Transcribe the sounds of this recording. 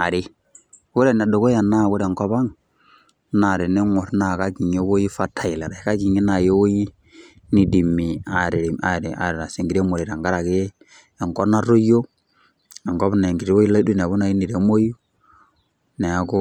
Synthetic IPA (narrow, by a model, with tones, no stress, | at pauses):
a˨ɾɪ˨˦ | ku˦ɾɛ˦n˨a˨dɔ˨kɔ˦ja˨na˦˨wɔ˦ɾɛ˨ŋkɔ˦βa˦ŋ | na˨ɾɛ˨nɛ˦ŋɔ˨ɾna˨ka˦ki˨ɲo˦wo˦ji˦fa˦tʰa˨i˨la˨ɾa˨i˨ka˦ki˨ɲi˦na˨jo˦wo˦ji˦ | ni˨di˨mi˨a˨ɾɛ˨ɾi˨a˨ɾi˨a̰˨ɾɛ˨ɾa˨se˨ŋɡi˨ɾe˦mo˨ɾɛ˨ɾa˨ŋɡa˦ɾa˨kɛː˦˨ | ŋkɔ˦na˦ɾo˦jo˦ | ɛ˨ŋɡɔ˦βnɛ˨ŋɡi˨ɾi˦wo˦i˦la˦i˦du˦n˨a˨βu˦na˨i˦ni˨ɾɛ˨˦mo˦ji˦ | nɛ˨a˦kɔ˦